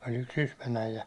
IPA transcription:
olʲ yks sysmæn æijæ

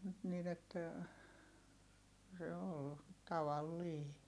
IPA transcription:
nyt nin etːæ se ol tɑʋɑlːiː

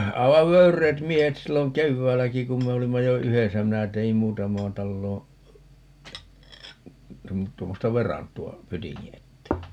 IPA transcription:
ɑiʋɑʋ ʋøyrˑeːt miehet silːoŋ keʋːæːlːæki kum me olimːɑ jo yhesæ minæ teim muːtɑmɑːn tɑlːoː tuom tuomːostɑ ʋerɑntuɑ pytiŋːi etːeː

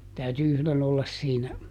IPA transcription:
tæyty yhlen olːɑs siːnæ

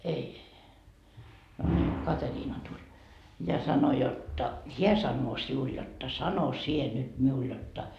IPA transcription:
ei no nʲiː kɑteriːnɑ tulʲ jɑ sɑno jotːɑ heæ sɑnːoː siul jotːɑ sɑno sie nyt miul jotːɑ

